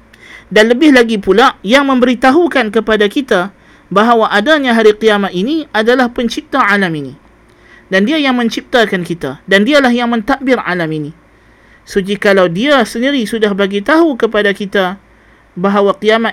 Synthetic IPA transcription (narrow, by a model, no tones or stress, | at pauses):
danləbɪhlaɡipulajaŋmə̃mbəɾit̪aɦukankəpadakit̪a | baɦawaʔadaɲãɦaɾiqiamat̪̚iniadalahpəɲt͡ʃip̚t̪aʕalaminḭ | dandiajaŋmə̃ɲt͡ʃip̚t̪akankit̪adandialahjaŋmə̃nt̪aʔ̚bɪra̰lamini | sud͡ʒikalawdiasəndiɾisudahbaɡit̪aɦukəpadakit̪a | baɦawaqiama